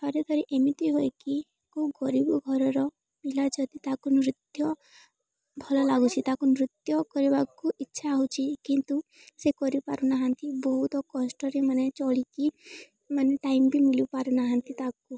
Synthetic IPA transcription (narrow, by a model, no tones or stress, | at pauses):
ɔɾed̪ʱɔɾiʔemit̪iɦojki | kuɡɔɾibɔɡʱɔɾɔɾɔ | milad͡ʒʰɔt̪it̪akunɾit̪jɔ | bʱɔlɔlaɡut͡ʃʰit̪akunɾit̪jɔkɔɾibakuitːʃʰaːɦut͡ʃʰikint̪u | sekɔɾipa̰ɾunaɦant̪ibɔɦut̪ɔkɔsʈɔɾemanet͡ʃɔɭiki | maneʈaimbʱimilipaɾunaɦant̪it̪aku